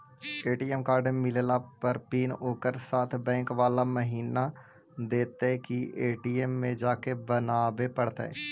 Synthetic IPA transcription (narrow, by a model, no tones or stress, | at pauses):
eːʈiːemkaːɾɖemɪllapəɾpiːnoːkəɾsaːt̪ʰbɛ̃ːŋkʋaːlaməɦiːna | d̪eːt̪ekieːʈiːemːẽd͡ʒaːkebənaːbepəɽt̪aɛ̰ː